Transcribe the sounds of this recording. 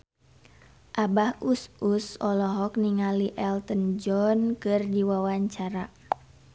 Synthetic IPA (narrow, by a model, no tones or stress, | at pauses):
ʔabahususɔlɔɦɔk̚niŋaliʔɛlt̪ənd͡ʒɔnkɨrdiwawaɲt͡ʃaɾa